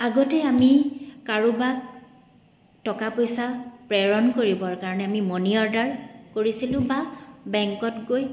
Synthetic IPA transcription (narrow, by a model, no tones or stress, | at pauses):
aɡɔtɛamikaɹubak̚ | tɔkapojsapɹɛɹɔnkoɹibɔɹkaɹɔnɛamimɔniɔɹdaɹkoɹisilʊ̃babɛŋkɔtɡoj